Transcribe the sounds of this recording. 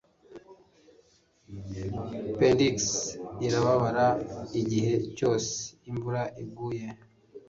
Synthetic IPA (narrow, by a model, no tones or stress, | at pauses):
pendiksiɾaβaβaɾaiɟihe̞co̞ːse̥imvuɾaʔiɡuːje